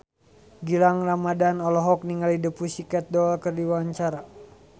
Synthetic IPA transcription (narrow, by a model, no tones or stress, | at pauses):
ɡilaŋramadanɔlɔɦɔk̚niŋalidəpusikɛt̪̚dɔalkərdiwaɲt͡ʃaɾa